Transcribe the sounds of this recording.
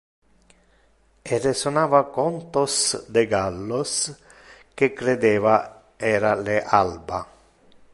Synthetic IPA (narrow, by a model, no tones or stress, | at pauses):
eresonaːvakɔnt̪osd̪eɡalːos | kekɾed̪eːva | ɛːɾaleʔalba